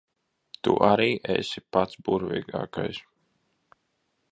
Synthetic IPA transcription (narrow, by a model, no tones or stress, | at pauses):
t̪ṵʔaɾiːʔḛsʲipat̪sbuɾvʲḭːɡa̰ːkajs